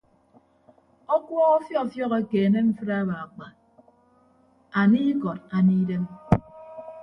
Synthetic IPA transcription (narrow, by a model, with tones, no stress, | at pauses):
ɔ˦kwʷɔ˦ɔ˦fjɔ˦˨fjɔ˦ɣe˦ke˨ne˦ɱ̩˦fɨ˦ɾa˦ba˨a˨k͡pa˨ | a˨ni˦kɔ˨ta˨ni˦de˦m